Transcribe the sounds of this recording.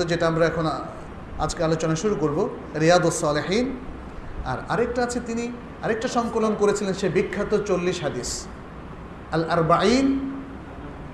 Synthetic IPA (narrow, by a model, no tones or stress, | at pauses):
od͡ʑeʈaamɾaɛkʰon | a̰d͡ʑkealot͡ɕonaʃuɾukoɾbo | ɾijaːd̪osːɔːleħin | a̰ɾa̰ɾekʈaat͡ɕʰet̪ini | aɾek̚ʈaʃɔŋkolonkoɾet͡ɕʰilenʃebikʰːat̪ot͡ɕolːiʃɦad̪is | alʔaɾbain